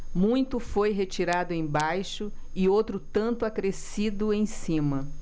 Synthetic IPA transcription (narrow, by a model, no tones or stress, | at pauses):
mũj̃t̪ʊfojɦet͡ʃiɾad̪ʊẽj̃bajʃʊɪowt̪ɾʊt̪ɐ̃nt̪ʊakɾesid̪ʊẽj̃sĩmɐ